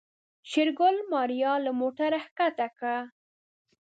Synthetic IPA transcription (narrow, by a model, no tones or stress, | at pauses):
ʃɪɾɡʊlmɑɾijɑlamoʈaɾahkat̪akɽa